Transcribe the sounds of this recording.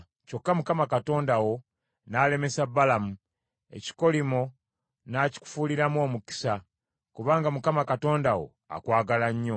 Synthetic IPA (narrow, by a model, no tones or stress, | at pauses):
co̞kːamukamakato̞ːndawo̞ | naːle̞me̞sabːalamu | e̞̰ci̥ko̞limo | naːci̥ku̥fuːliɾamwo̞ːmuki̥sa | kuβaːŋɡamukamakato̞ːndawo̞̰ | a̰kwaːɡalaɲːo̞